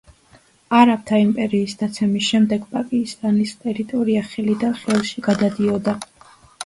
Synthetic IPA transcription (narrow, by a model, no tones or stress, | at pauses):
aɾap̚t̪ʰaimpʼɛɾiːsd̪at̪sʰɛmisʃɛmd̪ɛɡpʼakʼist̪ʼanist̪ʼɛɾit̪ʼɔɾiaχɛlid̪aχɛlˠʃiɡad̪ad̪iɔd̪a